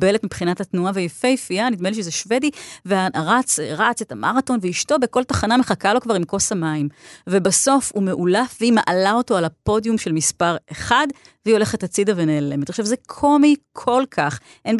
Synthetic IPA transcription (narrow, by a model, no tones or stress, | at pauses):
be̞letmipχinathatnuavejefejefianid̪meliʃezeʃve̞diveaʁat͡sʁat͡setamʔaʁato̞nveiʃto̞beko̞ltaχanameχakalo̞kvaʁimko̞samaimvebaso̞fume̞ʔulafveimaʔalao̞to̞alapo̞djumʃe̞lmispaʁeχad | veio̞le̞χethat͡sid̪ave̞neːle̞met̪oʃevzekʰomikʰo̞lkʰaχ | ʔen